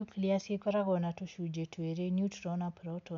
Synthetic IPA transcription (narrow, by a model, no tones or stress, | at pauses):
ukliasekɔɾaɡɔnatoʃud͡ʒetʰweɾenutɾɔnapɾɔtɔ